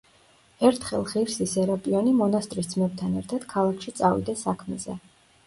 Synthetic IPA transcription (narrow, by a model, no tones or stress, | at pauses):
ɛɾt̪ʰχɛlˠχiɾsisɛɾapʼiɔnimɔnast̪ʼɾisd̪zmɛb̚t̪ʰanɛɾt̪ʰad̪̥kʰalˠakʰʃit̪sʼavḭd̪asakʰmɛzɛ̰